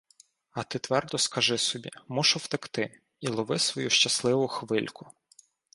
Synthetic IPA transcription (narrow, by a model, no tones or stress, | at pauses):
ɐt̪ɪt̪ʋɛrd̪ɔskɐʒɪsɔbʲḭmɔʃʊwt̪ɪkt̪ɪ | ilˠɔʋɪsʋɔjuʃt͡ʃɐslˠɪʋʊxʋɪlʲkʊ̥